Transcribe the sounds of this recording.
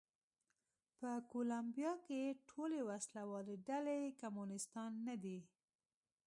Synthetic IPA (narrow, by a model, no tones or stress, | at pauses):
pəkolambjɑkeʈʰolewaslawɑleɖalekamunɪst̪ɑnːad̪i